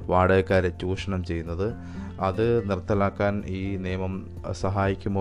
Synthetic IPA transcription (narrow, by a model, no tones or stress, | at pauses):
ʋaːɽeːkaːɾet͡ɕːuːʂɐɳɐmt͡ɕe̞jːunːɐðɨ | ɐðɨnirt̪ːɐlaːkːaːniːnijɐmɐm | sɐɦaːjikʲːumbo